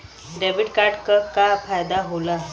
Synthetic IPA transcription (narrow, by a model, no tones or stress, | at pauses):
ɖɛbiʈkaɾʈkəkafajd̪aɦola